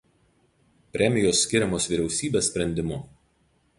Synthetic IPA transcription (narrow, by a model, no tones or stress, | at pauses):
pʲɾʲɛmʲɪjoːsːʲkʲɪɾʲɛmoːsʋʲiɾʲɛʊsʲiːbʲeːsʲpʲɾʲɛnʲd̪ʲɪmʊ